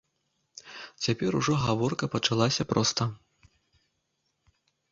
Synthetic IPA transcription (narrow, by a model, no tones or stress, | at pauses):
t͡sʲapʲɛɾuʐɔɣavɔrkɐpɐt͡ʂalˠasʲɐpɾʔɔst̪ɐ